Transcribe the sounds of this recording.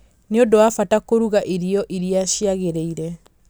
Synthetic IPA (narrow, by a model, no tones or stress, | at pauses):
neodowafatakoɾuɣaʔiɾiɔʔiɾiaɕiaɣeɾeiɾɛ